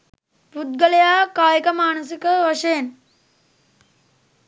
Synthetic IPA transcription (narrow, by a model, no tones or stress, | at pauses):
bud̪̚ɡəlejaːkaːjikɐmaːnɐsikəʋɐʂeːn